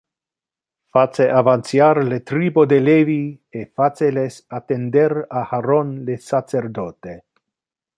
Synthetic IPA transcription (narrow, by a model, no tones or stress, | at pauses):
fat͡seʔavansjaɾlet̪ɾibod̪eleviefat͡selesat̪end̪eɾahaɾonlesat͡seɾd̪ot̪e